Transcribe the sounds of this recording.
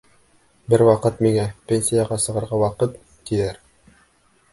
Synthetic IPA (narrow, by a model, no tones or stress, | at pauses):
bɘɾwɑqɤt̪miŋæpʲenʲsʲijaʁɑsɤ̆ʁɤ̆ɾʁɑwɑqɤt̪ːijæɾ